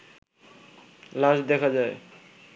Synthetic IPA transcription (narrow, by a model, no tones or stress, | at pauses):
laʃd̪ɛkʰad͡ʑae